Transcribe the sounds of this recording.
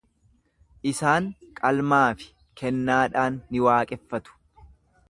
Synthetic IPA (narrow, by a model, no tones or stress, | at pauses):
ʔɪsaːŋkʼɐlmaːfɪ̥ | kʰɛnːaːᶑaːnːɪwaːkʼɛfːɐt̪ʊ̥